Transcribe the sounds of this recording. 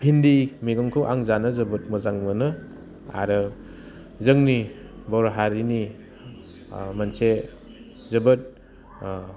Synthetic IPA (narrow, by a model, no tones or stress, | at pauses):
pʰindimiɡamkʰɯwʔa̰ŋzanɯzɐbɯt̚mɐzaŋmɯnɯ | a̰ɾɯ | zɯŋnibɔwɾaɦaɾini | manse | zɐbɯt̚